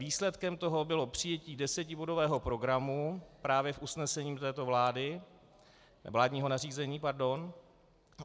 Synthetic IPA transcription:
viːslɛt̪kɛmt̪oɦo̞bɪlo̞pr̝̥ɪjɛciːdɛsɛcɪbo̞dovɛːɦo̞pɾo̞ɡɾamupɾaːvjɛfusnɛsɛɲiːmt̪ɛːt̪o̞vlaːdɪ | ɛ̰vlaːdɲiːɦo̞nariːzɛɲiːpaɾdo̞n

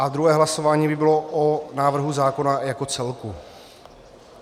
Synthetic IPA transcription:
ʔad̪ɾuɦɛːɦlasovaːɲiːbɪbɪlo̞ʔonaːvr̩ɦuzaːko̞najako̞t͡sɛlku

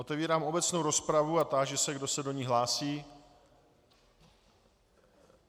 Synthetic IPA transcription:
ot̪ɛviːɾaːmo̞bɛt͡snowɾo̞spɾavuat̪aʒɛsɛɡdo̞sɛdo̞ɲiːɦlaːsiː

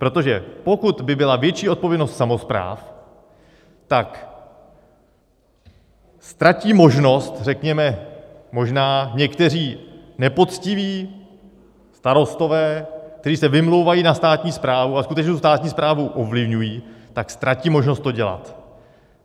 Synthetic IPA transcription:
pɾo̞t̪o̞ʒɛpo̞kut̪bɪbɪlavjɛt͡ʃiːo̞t̪̚po̞vjɛdno̞st̪samo̞spɾa̰ːf | t̪ak | st̪ɾaciːmo̞ʒno̞st̪rɛkɲɛmɛmo̞ʒnaːɲɛkt̪ɛr̝iːnɛpo̞t̪t͡scɪviː | st̪aɾo̞st̪o̞vɛːk̚t̪ɛɾiːsɛvɪmlo̞wvajiːnast̪aːt̪ɲiːspɾaːvuaskut̪ɛt͡ʃnt̪ust̪aːt̪̚ɲiːspɾaːvuʔovlɪvɲujiːt̪akst̪ɾaciːmo̞ʒno̞st̪ːo̞ɟɛla̰t̪

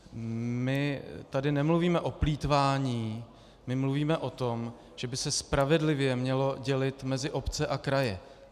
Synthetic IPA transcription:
mɪt̪adɪnɛmluviːmɛʔopliːt̪vaːɲiː | mɪmluviːmɛʔo̞t̪o̞m | ʒ̥ɛbɪsɛspɾavɛdlɪvjɛmɲɛlo̞ɟɛlɪt̪mɛzɪʔo̞pt͡sɛʔakɾajɛ

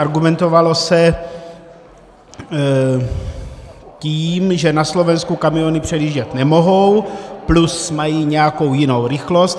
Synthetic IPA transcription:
aɾɡumɛnt̪o̞valo̞sɛ | ciːmʒɛnaslo̞vɛnskukamionɪpr̥ɛdiːʒɟɛt̪nɛmo̞ɦo̞wplusmajiːɲɛjako̞wjɪno̞wɾɪxlo̞st̪

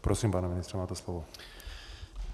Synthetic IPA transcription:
pɾɔsiːmpaːnaminist̪ɾɛmaːt̪ɛslɔʋɔ

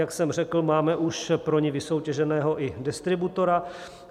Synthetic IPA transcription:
jaksɛmrɛkl̩maːmɛʔuʃpɾoɲɪvɪso̞wcɛʒɛnɛːɦo̞ʔɪdɛst̪ɾɪbut̪o̞ɾa

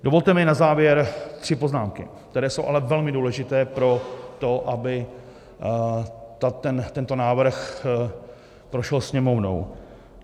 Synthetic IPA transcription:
do̞vo̞lt̪ɛmɪnazaːvjɛɾt̪r̥ɪpo̞znaːmkɪ̰k̚t̪ɛɾɛːsowʔalɛvɛlmɪduːlɛʒɪt̪ɛːpɾo̞t̪o̞ʔabɪ | t̪at̪ɛnt̪ɛnt̪o̞naːvr̩x | pɾoʃɛlsɲɛmo̞vno̰w

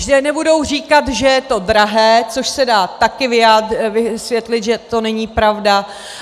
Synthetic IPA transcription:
dɛnɛbudo̞wr̝iːkat̪ʒɛjɛt̪o̞dɾaɦɛːt͡so̞ʃsɛdaːt̪akɪvɪjaːvɪsvjɛt̪lɪt̪ʒɛt̪o̞nɛɲiːpɾavda

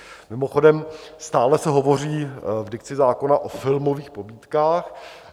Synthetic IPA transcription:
mɪmo̞xo̞dɛmst̪aːlɛsɛɦo̞vo̞r̝iːvdɪk̚t͡sɪzaːko̞naʔofɪlmoviːxpobiːt̪kaːx

